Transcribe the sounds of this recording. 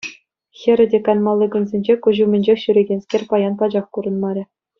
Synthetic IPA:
xʲɘ̆ɾʲɘ̆dʲekɑnmɑlʲˠːɤɡŭnzʲenʲd͡ʑekuʑumʲɘ̆nʲd͡ʑexʲɕyɾʲeɡʲenʲsʲkʲerʲpɑjɑnpɑd͡ʑɑχkuɾɤ̆nmɑɾʲɘ̆

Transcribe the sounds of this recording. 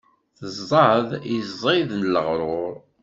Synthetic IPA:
θəzˤːɑðjəzˤiðnəlːəʁɾˤʊɾˤ

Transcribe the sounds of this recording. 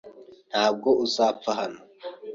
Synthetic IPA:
n̥haːb̚ɡo̞ʔuzaːpp͡faɦano

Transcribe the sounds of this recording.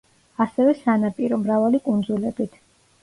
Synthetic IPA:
asɛvɛsanapʼiɾɔmɾavalikʼund̪zulɛbit̪ʰ

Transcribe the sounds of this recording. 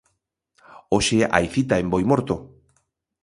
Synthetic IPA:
oʃea̰jθit̪aembojmoɾt̪o

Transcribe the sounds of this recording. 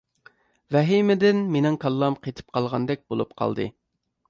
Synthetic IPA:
vɛɦimɪd̪ɪnmenɪŋkʰɑlˠːɑmqʰet̪ʰɪ̥p̚qʰɑlˠʁɑnd̪ɛk̚ʲbolˠupqʰɑ̰lˠd̪ɨ̰

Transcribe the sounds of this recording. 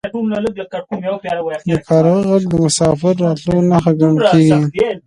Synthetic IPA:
d̪əkɑɾɣəɣaɡd̪əmʊsɑfɪɾːɑt̪lonaxaɡamkeɡi

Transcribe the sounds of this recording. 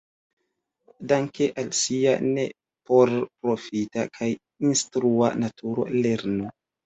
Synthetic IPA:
daŋkeʔalsia̰nḛ | poɾpɾofita̰kʰaj | instɾua̰natʰuɾo̞̰leɾno

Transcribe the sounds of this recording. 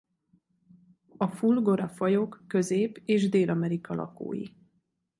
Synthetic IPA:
ɒfulɡo̞ɾɒfɒjo̞kːø̞zeːpeːʒd̪eːlʔɒmɛɾikɒlʔɒ̰ko̰ːjḭ

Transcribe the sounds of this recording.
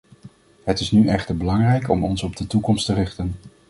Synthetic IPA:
ɦətɪsnyʔɛχtəɹbəlɑŋrɛjkɔ̰mɔnsɔb̚dətukɔmstərɪχtən

